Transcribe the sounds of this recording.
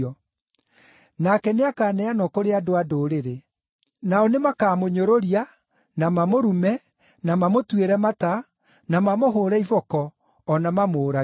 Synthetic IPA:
ɔ | nakɛneakaːnɛanɔkoɾeadoadoɾeɾe | naɔnemakaːmoɲoɾoɾia | namamoɾumɛ | namamotweɾɛmata | namamoɦoːɾɛivɔkɔː | namamoːɾa

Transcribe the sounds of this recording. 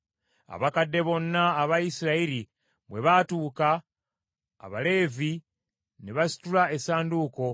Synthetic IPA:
a̰βakadːe̞βo̞nːaːβajisiɾaiɾi | βwe̞βatuːka̰ː | βale̞ːvi | neβasi̥tulae̞saːnduːko̞

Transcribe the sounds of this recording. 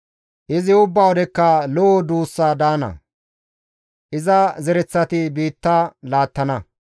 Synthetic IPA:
ʔɪzɪʊbːawɔd̪ɛkːɐlɔɔd̪uːsːaːd̪aːnɐ̰ | ʔɪzɐzɛɾɛt͡sːɐt̪ɪbiːt̪ːɐlaːt̪ːɐnɐ

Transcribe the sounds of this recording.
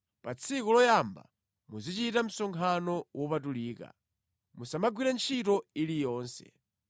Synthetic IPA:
pat͡sʰikulɔjamba̰ | muzit͡ʃitam̩sɔŋkʰanɔwʔɔpatuliːka̰ | musamaɡwiɾɛnt͡ʃʰitɔilijɔːnsɛ̰

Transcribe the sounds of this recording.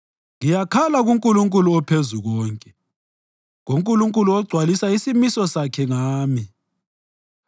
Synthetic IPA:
ŋijakʰalaɣuŋkʼuluŋkʼuluɔpʰezuɣɔːŋkʼɛ | ɣoŋkʼuluŋkʼuluɔɡ͡ǀʱwalisaisimisɔsakʰɛŋaːmi

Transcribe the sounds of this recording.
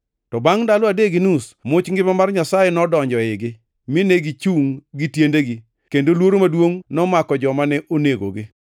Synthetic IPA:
tɔbaŋdalɔadeɡinusmʊt͡ʃŋɡɪpmamarɲasajenɔdɔɲd͡ʒɔɪɡɪ | mɪneɡit͡ʃuŋɡitjendeɡi | kendolwoɾomadwoŋnɔmakɔd͡ʒɔmanɛʔoneɡo̰ɡɪ

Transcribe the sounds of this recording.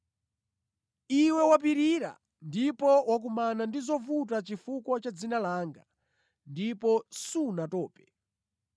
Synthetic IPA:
iwɛwap̬iɾiɾa̰ | ndipɔwak̬umanandizɔvut̬at͡ʃifukwɔt͡ʃad͡zinalaːŋɡa | ndipɔsunatɔːpɛ̥

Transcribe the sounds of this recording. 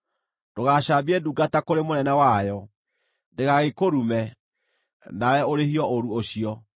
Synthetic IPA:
d̥oɣaɕabiɛduɡatakoɾemonɛnɛwajɔ | ndeɣaɣekoɾumɛ | nawɛoɾeɦiɔoɾuoɕiɔ

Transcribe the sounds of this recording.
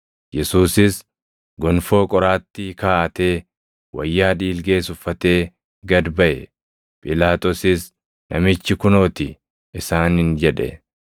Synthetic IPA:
jɛsuːsɪs | ɡɔnfo̞ːkʼɔɾaːt̪ːɪkaːʔɐt̪e̞ː | wɐ̰jːaːᶑiːlɡe̞ːsʊfːɐt̪e̞ː | ɡɐd̪bɐʔɛ | pʼɪlaːt̪ʼɔsɪs | nʔɐmɪt͡ʃːɪkʊno̞ːt̪ɪ | ɪsaːnhɪnd͡ʒɛᶑɛ̰

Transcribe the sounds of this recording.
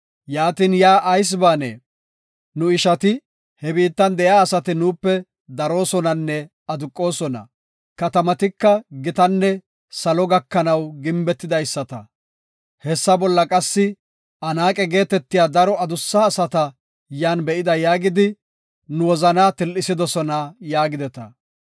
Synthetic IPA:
jaːt̪iːnjaːʔɐjs̬baːnḛː | nʊɪʃɐt̪ɪ | hɛbiːt̪ːɐnd̪ɛjaːsɐt̪ɪnuːpːɛ | d̪ɐɾo̞ːsɔnɐnːɛ | ɐd̪ʊkʼːo̞ːsɔnɐ̰ | kɐt̪ɐmɐt̪ɪkːɐɡɪt̪ɐnːɛ | sɐlɔɡɐkːɐnɐwɡɪmbɛt̪ːɪd̪ɐjsːɐt̪ɐ | hɛsːɐbɔlːɐkʼɐsːɪ | ɐnaːkʼɛɡe̞ːt̪ɛt̪ːɪjaːd̪ɐɾɔɐd̪ʊsːaːsɐt̪ɐ | jaːnbɛʔɪd̪ɐjaːɡɪd̪ɪ | nʊwɔzɐnaːt̪ɪlːɪsɪd̪ɔsɔnajaːɡɪd̪ɛt̪ɐ̰

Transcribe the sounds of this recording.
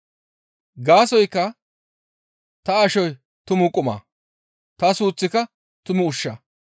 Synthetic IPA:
ɡaːsɔjkːɐ | t̪ɐɐʃɔj | t̪ʊmʊkʼʊma̰ː | t̪ɐsuːt͡sːɪkɐ | t̪ʊmʊʊʃːɐ

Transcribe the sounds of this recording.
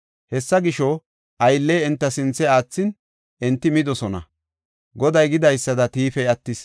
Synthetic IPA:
hɛsːɐɡɪʃɔ | ʔɐjlːɛjɛnt̪ːɐsɪnt͡sːɛaːt͡sːɪn | ʔɛnt̪ːɪmɪd̪ɔsɔnɐ̰ | ɡɔd̪ɐjɡɪd̪ɐjsːɐd̪ɐt̪iːfɛjɐt̪ːɪs

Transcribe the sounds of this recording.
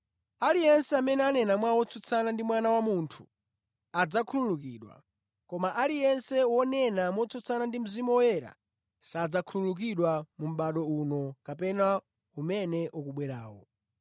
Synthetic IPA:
alijɛnsɛamɛnɛanɛnamwawɔt͡sʰut͡sʰanandimwanawamuntʰu̥ | ad͡zakʰululukiːɗwa̰ | kɔmaʔalijɛnsɛwɔnɛnamwɔt͡sʰut͡sʰanandim̩zimɔwɔjɛɾa̰ | sad͡zakʰululuk̬iɗwamum̩ɓaɗɔunɔkapɛna | umɛnɛʔɔkuɓwɛɾaːwɔ̰

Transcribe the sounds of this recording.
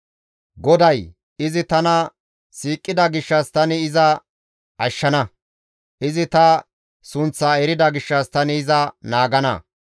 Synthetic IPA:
ɡɔd̪ɐj | ɪzɪt̪ɐnɐ | siːkʼːɪd̪ɐɡɪʃːɐst̪ɐnɪɪzɐ | ɐʃːɐnɐ | ʔɪzɪt̪ɐ | sʊnt͡sːaːɛɾɪd̪ɐɡɪʃːɐst̪ɐnɪːzɐnaːɡɐnɐ̰

